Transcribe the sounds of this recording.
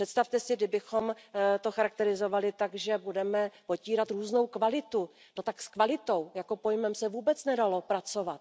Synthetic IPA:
r̥ɛt̪st̪aft̪ɛsɪɡdɪbɪxo̞mt̪o̞xaɾak̚t̪ɛɾɪzo̞valɪt̪aɡʒɛbudɛmɛpo̞ciːɾat̪ɾuːzno̞wkvalɪt̪u | dot̪akskvalɪt̪o̞wjako̞po̞jmɛmsɛvuːbɛt͡snɛdalo̞pɾat͡so̞vat̪̚

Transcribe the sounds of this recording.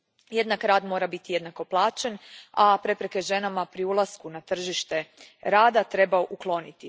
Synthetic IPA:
je̞d̪nakɾaːd̪mo̞ːɾabit̪ije̞d̪nako̞plˠaːt͡ʃenapɾe̞pɾeke̞ʒe̞namapɾiulˠaskunat̪r̩ʒiʃt̪e̞ɾaːd̪at̪ɾe̞baoʔuklˠo̞nit̪i

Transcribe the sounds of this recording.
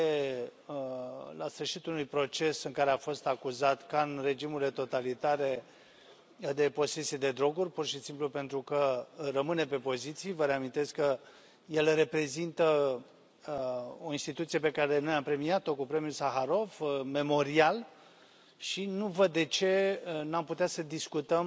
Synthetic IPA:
e | lasfɨrʃit̪unujpɾo̞t͡ʃe̞sɨŋkaɾe̞afo̞st̪akuzat̪kanre̞d͡ʒimuɾile̞t̪o̞t̪alit̪aɾe̞ | d̪e̞po̞se̞sijed̪e̞d̪ɾo̞ɡurʲpurʃisimplupe̞nt̪ɾukərəmɨne̞pe̞po̞zit̪sijvəɾe̞amint̪e̞skkə | je̞lre̞pɾe̞zint̪ə | o̞inst̪it̪ut̪sije̞pe̞kaɾe̞nojampɾe̞miat̪o̞kupɾe̞mijulsaxaɾo̞vme̞mo̞ɾial | ʃinuvəd̪ːe̞t͡ʃe̞namput̪easəd̪iskut̪əm

